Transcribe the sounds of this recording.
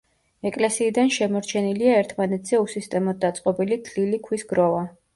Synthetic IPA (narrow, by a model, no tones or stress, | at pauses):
ɛkʼlɛsiːd̪anʃɛmɔɾt͡ʃʰɛniliaɛɾt̪ʰmanɛt̪ʰz̥ɛusist̪ʼɛmɔd̪̚d̪at̪sʼqʼɔbilid̪lilikʰwisɡɾɔva